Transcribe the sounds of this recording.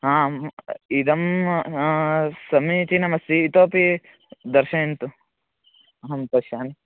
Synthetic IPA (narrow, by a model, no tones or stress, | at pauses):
ɦãːmid̪ɐm | sɐmit̪inɐmɐst̪iːt̪oːpi | d̪ɐɾʃɐint̪u | ɐɦɐmpɐʃjaːn